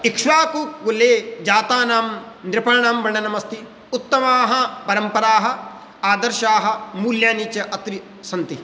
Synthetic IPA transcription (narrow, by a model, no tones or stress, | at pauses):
ikʂʋaːkukʋuleːd͡ʒaːt̪aːnaːm | nɾɪpɐɾɳaːmbɐɳɖɐnɐmɐst̪i | ut̪ːɐmaːɦɐ̆pɐɾɐmpɐɾaːɦɐ | aːd̪ɐɾʃaːɦɐ̆muːljaːniːt͡ʃɐʔɐt̪ɾi | sɐnt̪i